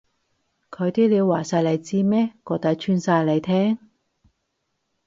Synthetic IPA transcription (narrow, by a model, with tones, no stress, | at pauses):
kʰɵ˨˧ɥt̪iː˥li˨˧waː˨˩saː˧jlɐ˨˩jt͡siː˧mɛː˥kɔː˧t̪ɐ˧˥t͡ʃʰyː˧nsaː˧jlɐ˨˧jt̪ʰɛː˥ŋ